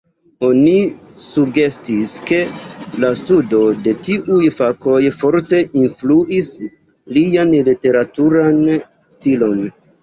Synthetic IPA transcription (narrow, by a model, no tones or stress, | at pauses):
o̞ni | suɡe̞stiske̞lastudo̞de̞tiʔujfako̞jfo̞ɾte̞ʔinfluʔis | lijanlite̞ɾatuɾan | stilo̞n